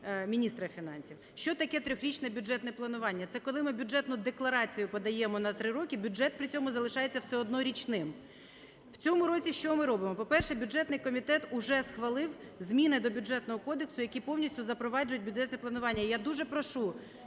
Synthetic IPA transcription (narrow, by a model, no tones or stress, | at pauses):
mʲinʲist̪ɾɐfʲinɑ̰nʲsʲiwʃt͡ʃɔt̪ɐkɛt̪ɾʲɔxɾʲit͡ʃnɛbʲʊdd͡ʒɛt̪nɛplˠɐnʊʋɑnʲːɐt̪sɛkɔlˠɪmɪbʲʊd͡ʒɛt̪nʊd̪eklˠɐɾɑt͡sʲijʊpɔd̪ɐjɛmɔnɐt̪ɾɪɾɔkʲibʲʊɛt̪̚pɾɪt͡sʲɔmʊzɐlˠɪʃɑjet͡sʲːɐwsɛɔd̪nɔɾʲit͡ʃnɪm | w̥t͡sʲɔmʊɾɔt͡sʲiʃt͡ʃɔmɪɾɔbɪmɔpɔpɛrʃɛbʲʊd͡ʒɛt̪nɪjkɔmʲit̪ɛt̪ʊʒɛsxʋɐlˠɪwzʲmʲinɪd̪ɔbʲʊd͡ʒɛt̪nɔɦɔkɔd̪eksʊjɐkʲipɔwnʲisʲtʲʊzɐpɾɔʋɑd͡ʒʊjʊt̚ʲbʲʊdʐɛt̪nɛplˠɐnʊʋɑnʲːɐjad̪uʒɛpɾɔʃu